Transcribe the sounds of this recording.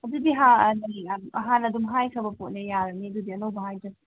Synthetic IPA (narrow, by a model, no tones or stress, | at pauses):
ɐdudiɦanɐjɐɦanɐdumɦajkʰɐbɐpot̚nɐjaɾɐniɐdudiɐnowbɐɦajtɐ